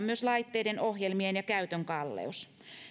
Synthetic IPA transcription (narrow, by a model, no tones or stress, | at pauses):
mmyøslɑit̪ːeidenohjelmienjɑkæyt̪øŋkɑlːḛus